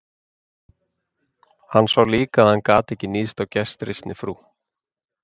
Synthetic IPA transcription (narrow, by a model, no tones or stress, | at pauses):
hanːsvawliːkaðankaːt̪ɛcɪniːst̪awcɛst̪ɾɪst̪nɪfɾuː